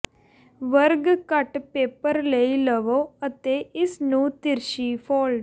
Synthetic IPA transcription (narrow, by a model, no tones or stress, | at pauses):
ʋəɾɡkəʈpeːpəɾleiləʋoːət̪eɪsnũːt̪ɪɾʃifʰɔːlɖ